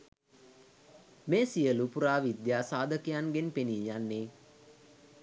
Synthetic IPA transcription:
meːsijəlupuɾaːʋid̪jaːsaːd̪əkijanɡenpeniːjanːe

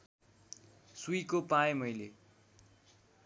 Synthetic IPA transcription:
suikopaẽmʌjle

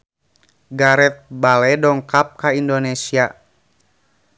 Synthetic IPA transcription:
ɡaɾɛt̪̚balɛdɔŋkap̚kaindonesia

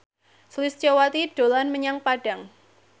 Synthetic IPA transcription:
slɪst͡ʃawat̪iɖ̥o̤lanməɲaŋpaɖ̥a̤ŋ

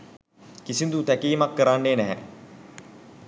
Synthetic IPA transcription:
kisind̪ut̪ækiːmakːəɾanːeːnæɦɛ̰

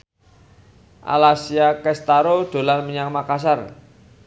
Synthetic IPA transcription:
ʔa̰lasiakɛst̪aɾoɖ̥o̤lanməɲaŋmakas̬ar

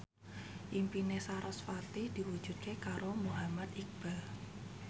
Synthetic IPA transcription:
ʔimpinesaɾɔsfat̪ɪhd̪̥iwud̥d͡ʒ̥ṳd̪̚kekaɾomuɦamat̪ik̚b̥a

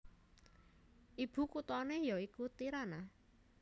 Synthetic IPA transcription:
ʔib̥ṳkut̪ɔnejɔikut̪iɾana

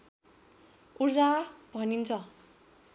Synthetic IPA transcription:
urd͡zabʱʌnint͡sʰʌ

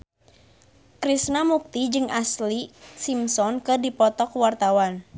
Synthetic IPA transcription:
kɾisnamuk̚t̪id͡ʒɨŋaslisimsɔnkɨdipɔt̪ɔkwart̪awan

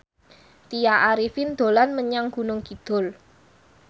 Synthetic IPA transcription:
t̪ijaʔaɾifind̪̥o̤lanməɲaŋɡ̥ṳnʊŋɡ̥i̤d̪̥ɔ̤l

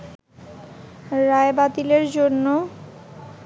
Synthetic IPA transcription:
ɾaebat̪ileɾd͡ʑonːo

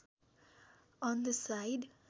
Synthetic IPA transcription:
ɔ̃nd̪əsaɪɖ

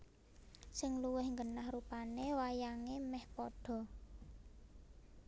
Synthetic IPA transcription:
sɪŋluwɪhŋɡənahɾupanewajaŋemɛhpɔɖ̥ɔ̤

